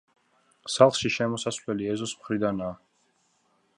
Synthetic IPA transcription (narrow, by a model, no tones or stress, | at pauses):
salˠχʃiʃɛmɔsasvlɛliɛzɔsmχɾid̪anaː